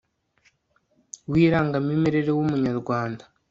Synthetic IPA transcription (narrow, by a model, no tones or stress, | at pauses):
wiːɾaːŋɡamime̞ɾe̞ɾewumuɲaɾɡwaːndḁ